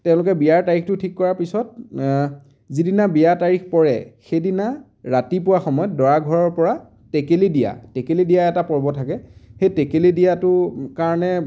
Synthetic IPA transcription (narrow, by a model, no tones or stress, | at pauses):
tɛ̃ʊ̃lʊkɛbijaɹtaɹixtʊtʰikːɔɹaɹpisɔt̚ | zidinabijataɹixpɔɹɛ̰xejdina | ɹatipʊwaxɔmɔjɔtdɔɹaɡʱɔɹɔɹpɔɹa | tekelidija̰tekelidijaɛtapɔɹbɔtʰakɛxejtekelidijatʊkaɹɔnɛ